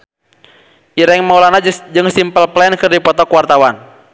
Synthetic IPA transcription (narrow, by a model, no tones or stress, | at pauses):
ʔiɾɛŋmaulanad͡ʒɨŋsimpəlplɛnkɨrdipɔt̪ɔkuwart̪awan